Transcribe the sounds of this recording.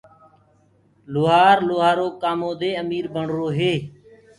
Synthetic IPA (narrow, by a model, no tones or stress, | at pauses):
loːɦaːɾloːɦaːɾoːkaːmõːd̪eːəmiːɾbʱəɳ̤ɾoːɦeː